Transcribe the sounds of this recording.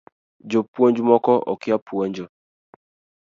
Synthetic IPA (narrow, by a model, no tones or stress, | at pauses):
d͡ʒopwond͡ʒumɔkɔʔɔ̰kɪapwoɲd͡ʒo